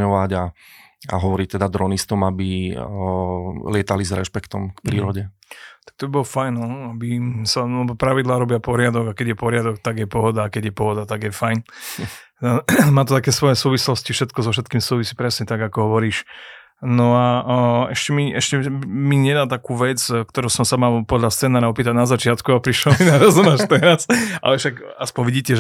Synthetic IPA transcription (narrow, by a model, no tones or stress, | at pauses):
ɔʋaɟa | a̰ɦɔʋɔɾiːt̪ɛd̪ad̪ɾɔnist̪ɔmabi | lɪɛt̪alizɾɛ̰ʃpɛkt̪ɔmkpɾiːɾɔɟɛ | t̪ḁk̚t̪ɔbibɔlɔfajnɔabisalɛbɔpɾaʋid̪laːɾɔbɪapɔɾɪad̪ɔɡakɛɟjɛpɔɾɪad̪ɔk̚t̪aɡjɛpɔɦɔd̪aːkɛɟjɛpɔɦɔd̪at̪aɡjɛfajn | maːt̪ɔt̪akɛːsʋɔjɛsuːʋislɔscifʃɛt̪kɔzɔfʃ̬ɛt̪kiːmsuːʋisiːpɾɛsɲɛt̪aɡakɔɦɔʋɔɾiːʃ | nɔaɛʃcɛmiɛʃcɛmiɲɛd̪aːt̪akuːʋɛt͡skt̪ɔɾuːsɔmsamalpɔd̪ʎast̪t͡sɛːnaːɾaɔpiːt̪aɟnazat͡ʃɪat̪kuapɾiʃlɔinaɾazumaʃt̪ɛɾasa̰lɛʃaɡaspɔɲʋiɟiːcɛʒ